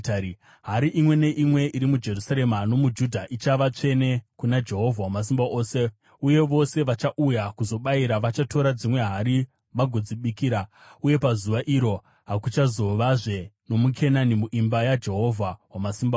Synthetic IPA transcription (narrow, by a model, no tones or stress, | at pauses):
ɦaɾiʔimwe̞ne̞ʔimwe̞ʔiɾimud͡ʒe̞rusaɾe̞mano̞mud͡ʒudʱaʔit͡ʃaʋat͡ʂe̞ne̞kunad͡ʒe̞ɦo̞vʱawamas̬imbaʔoːse̞ | uje̞ʋo̞se̞ʋat͡ʃaʔujakuzo̞ɓaiɾaʋat͡ʃato̞ɾad͡zimwe̞ɦaɾi | ʋaɡʱod͡ziɓikiːɾa | uje̞pazuʋaʔiɾo̞ | ɦakut͡ʃazo̞ʋaʐe̞no̞mukʰenanimuʔimbajad͡ʒe̞ɦo̞vʱawamasimba